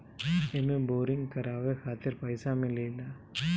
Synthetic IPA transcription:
ɛmːɯboːɾɪŋkɐɾaːʋekaːt̪ɪɾpɐɪsaːmɪlːɐɪlːa

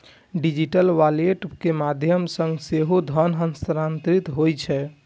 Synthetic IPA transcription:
ɖid͡ʒiʈəlʋaleʈkemad̪ʱjəmsə̃ŋɡseɦod̪ʱənɦənsɾant̪ɾit̪ɦojt͡ʃʰɛ

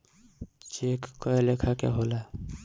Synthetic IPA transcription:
t͡ʃekkːɔelekʰakḛɦola

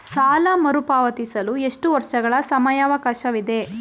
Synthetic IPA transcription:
saːlɐmɐɾupaːʋɐt̪isɐlue̞ʂʈuʋɐɾʂɐɡɐɭɐsɐmɐjaːʋɐkaːʃɐʋid̪e̞

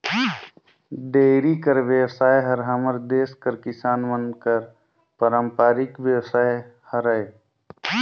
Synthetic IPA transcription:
ɖeːɾikəɾʋjəwsaːjɦəɾɦəməɾd̪eːskəɾkɪsaːnmənkəɾ | pəɾəmpaːɾɪkʋjəwsaːjhəɾəe

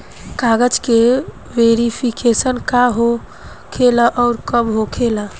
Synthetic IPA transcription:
kaɡəd͡ʒke | ʋeɾipʰikesənkaɦo | kʰelaʔɔːɾkəbɦokʰela

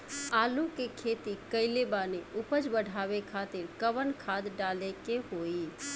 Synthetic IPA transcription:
aːlũkekʰeːt̪ikəɪlebaːneʔʊpəd͡ʒbəɽʱaːʋekʰaːt̪ɪɾkəʋənkʰaːd̪ɖaːlekeɦoːi

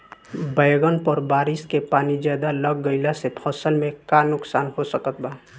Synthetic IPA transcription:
bəjɡənpəɾbaːɾɪskepaːnid͡ʒjaːd̪aləɡːəɪlasepʰəsəlmẽkanʊksaːnɦosəkət̪̚baː

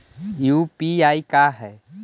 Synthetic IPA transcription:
juːpiaːikaːɦɛː

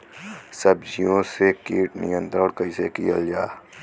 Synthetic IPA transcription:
səbd͡ʒijõsekiːʈnɪjə̃nt̪ɾəɽ̃kɐisekijəld͡ʒaː

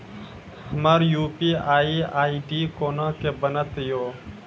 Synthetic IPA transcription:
həmaːɾjuːpiːaːiːaːiːɖiːkoːnãːkeːbənət̪joː

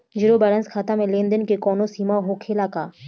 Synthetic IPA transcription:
d͡ʒiɾobəɾə̃nskʰaːt̪amẽlẽːnd̪ənkekɔːnosiːmaɦokʰelaːkaː

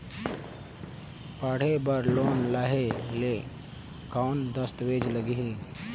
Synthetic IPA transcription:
paːɽ̤ebəɾloːnlaːɦele | kaʊnd̪əst̪ʋeːd͡ʒləɡiɦe

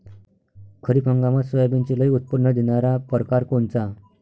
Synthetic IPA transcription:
kʰəɾiːpʰə̃ŋɡamasəjbint͡ɕiləiut̪̚puɽɳəd̪iɳaɾapəɾkaɾkont͡sa

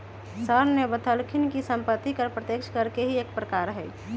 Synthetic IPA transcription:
səɾmebət̪ʰəlkʰinkisəmpət̪ːikəɾpɾət̪ekʃʰkəɾkeɦieːkpɾəkaɾɦɛ

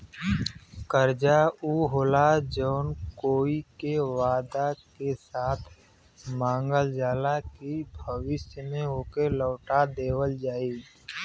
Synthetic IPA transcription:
kəɾd͡ʒauːɦoːlad͡ʒɔːnkoːikeʋaːd̪akesaːt̪ʰ | mãːŋɡəld͡ʒaːlakibʱəʋɪʃjəmẽoːkelɔːʈad̪eːwəld͡ʒaːiː

